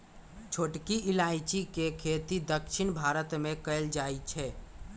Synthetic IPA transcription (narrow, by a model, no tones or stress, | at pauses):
t͡ʃʰoʈkiʔilait͡ʃikekʰet̪id̪əkʃʰinbʱaɾət̪mẽkəeld͡ʒajt͡ʃʰɛ